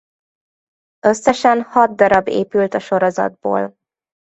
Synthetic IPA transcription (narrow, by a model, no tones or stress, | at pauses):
ø̞sːɛʃɛnhɒd̪ːɒɾɒbḛːpylt̪ɒʃo̞ɾo̞zɒ̰d̪̚bo̰ːl